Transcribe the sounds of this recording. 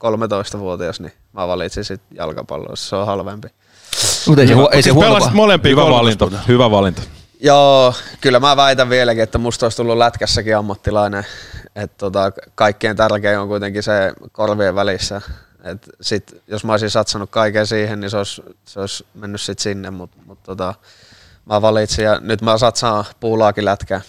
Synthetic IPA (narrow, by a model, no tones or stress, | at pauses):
kolmet̪oist̪ɑʋuot̪iɑsni | mæʋɑlit̪sinsit̪jɑ̰lkɑ̰pɑ̰lːo̰ˑsseohɑlʋempi | mut̪eieisehelːɑst̪molempiːʋlit̪ohyʋæʋɑlint̪o̥ | joːkylːæmæːʋæit̪æʋʋielækiet̪ːæmust̪oˑist̪ulːulæt̪kæsːækiɑmːɑt̪ːilɑineet̪t̪ot̪ɑkɑikːeːnt̪ærkeioŋkuit̪eŋkisekorʋieʋʋælisːæ | et̪sit̪josmɑoˑisisɑt̪sɑnukkɑikeːsiːhenniseoisseoismenːyssit̪sinːemmut̪mut̪t̪ot̪ɑ | mæʋɑlit̪sijɑnyt̪mæːsɑt̪sɑ̃ːpuːlɑːkilæt̪kæː